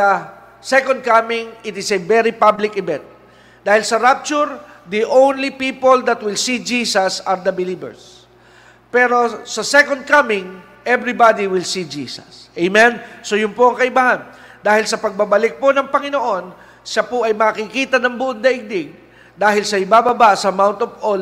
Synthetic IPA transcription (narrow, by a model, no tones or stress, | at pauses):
ɐ | sɛkond̪̚kamɪŋɪt̪ɪsɛvɛɾipablɪkɪbɛ̃nt̪̚ | d̪aːhɪlsɐɾap̚t͡ʃʊɾd̪iʔownlipiːpold̪ɐt̪̚wɪlsid͡ʒisɐsɐɾd̪ɐbɪlibɛ̰ɹs | pɛɾo̞sɐsɛkond̪̚kamɪŋ | ʔɛvɾibad̪iwɪlsid͡ʒiːsɐsʔɛjmɛ̃nsojʊmpoʔɐŋkɐɪbaːhɐn | d̪aːhɪlsɐpɐɡ̚bɐbɐlɪk̚ponɐŋpɐŋɪnoʔo̞n | ʃɐpoʔɐjmɐkɪkiːt̪ɐnɐŋbʊʔʊt̪̚d̪ɐʔɪɡ̚d̪ɪɡ̚ | d̪aːɦɪlsɐɪbaːbɐbasɐɐmawnt̪ovol